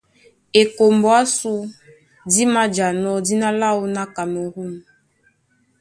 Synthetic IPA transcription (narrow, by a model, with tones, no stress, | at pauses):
e˨ko˨mbɔ˦a˦su˦ | di˦ma˦d͡ʒa˨nɔ˦di˦na˦la˦u˦na˦ka˨mo˨ɣu˦˨m˨